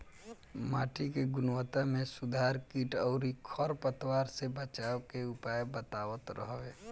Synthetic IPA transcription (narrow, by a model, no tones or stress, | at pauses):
ma̰ːʈikeɡʊnwət̪amẽsʊd̪ʱaːɾkiːʈɔʊɾikʰəɾpət̪waːɾsebət͡ʃaːwkeʊpaːjbət̪aːwət̪ɾə̰ɦʋeː